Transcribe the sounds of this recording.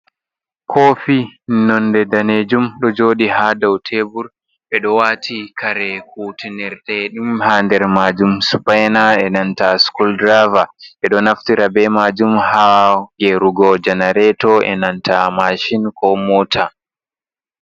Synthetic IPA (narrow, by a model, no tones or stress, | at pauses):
kʰoːfinɔndɛdaned͡ʒumɗɔd͡ʒoːɗihadawtʰeːbuɾ | ɓɛɗɔwatʰikʰaɾɛkuːtinɛɾtɛɗimhaːndɛɾmaːd͡ʒumsu̥pajnaɛnantaskuldɾavaɓɛɗɔnaftiɾabɛmaːd͡ʒumhaɡɛɾuɡɔd͡ʒɛnaɾɛtɔʔɛ̰nantʰamaʃinkʰɔmɔːtʰa